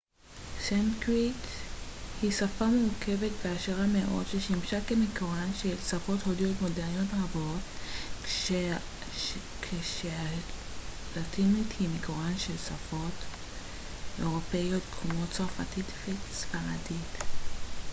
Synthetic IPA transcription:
sankʁit | hisafameukʰe̞vetveaʃeʁameʔo̞̰dʃeʃimʃakemekoʁanʃelsafo̞tho̞dijo̞tmodeʁnijotʁabo̞t | kʰeʃea | latinithimekoʁanʃelsafo̞t | ʔe̞ʁo̞pe̞jo̞t̪kʰmo̞tt͡saʁfatitfeksfaadit

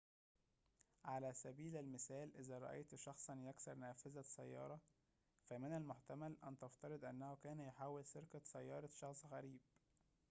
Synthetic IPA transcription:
ʕalæsæbiːlælmɪsæːlʔɪzæɾˤɑ̰ʔḛjt̪ʃɑxsˤɑnjæksɑɾˤnæːfɪzæsːæ̰jːɑ̰ːɾˤɑ | fæmɪnælmoħt̪æmælʔænt̪ɑft̪ɑɾˤɨd̪ˤʔænːæhʊkæːnjħaːwːelseɾkæsæjːɑːɾˤɑʃɑxsˤɣæɾiːb̥̚

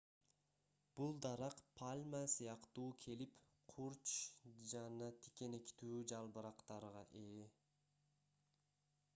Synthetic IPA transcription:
b̥ulˠd̪ɑɾɑqpʰalʲmasɯjɑqt̪uːkʰe̞lip | qʰuɾt͡ʃd͡ʒɑnɑt̪ʰi̥ke̞nekt̪yːd͡ʒɑlˠbɯɾɑqt̪ɑɾʁɑʔe

